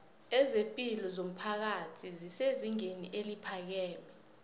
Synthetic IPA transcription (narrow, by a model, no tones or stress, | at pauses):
ɛzempʼilɔzom̩pʰak̬atʰiziseziŋenḭʔelipʰak̬ɛːmɛ